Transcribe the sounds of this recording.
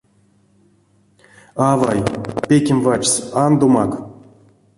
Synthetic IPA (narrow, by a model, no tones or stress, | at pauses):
avajpʲekʲemvat͡ʃsand̪omak